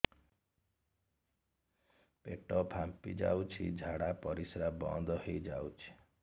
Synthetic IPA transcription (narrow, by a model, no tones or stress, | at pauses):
peʈɔpʰampid͡ʒa̰wt͡ʃʰḭd͡ʒʱaɽapɔɾisɾabɔ̰nd̪ɔɦejd͡ʒa̰wt͡ʃʰi̥